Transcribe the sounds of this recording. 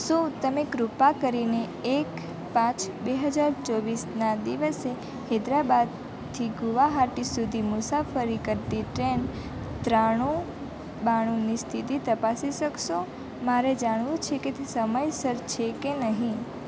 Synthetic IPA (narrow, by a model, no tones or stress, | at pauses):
ʃũt̪əmeɡɾupakəɾineː | k | pãt͡ʃbeɦəd͡ʒaɾt͡ʃɔʋisnad̪iʋəse | hed̪ɾabad̪̚ | t̪ʰiɡuʋaɦaʈisud̪ʱimʊsafəɾikəɾt̪iʈɾen | t̪ɾaɽ̃ũ | baɽ̃unist̪ʰit̪it̪əpasiʃəkʃo | maɾed͡ʒaɽ̃ʋũt͡ʃʰeket̪səməjsəɾt͡ʃʰekenəɦĩ